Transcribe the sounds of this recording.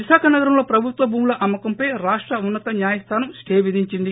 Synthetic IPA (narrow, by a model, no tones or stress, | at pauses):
ʋiʃaːkʰɐnɐɡɐɾɐmlo̞ːpɾɐbʱut̪ʋɐbʱuːmlɐʔɐmːɐkɐmpɐjɾaːʂʈɾɐunːɐt̪ɐɲjaːjɐst̪ʰaːnɐmskeːʋid̪ʱiɲt͡ʃind̪i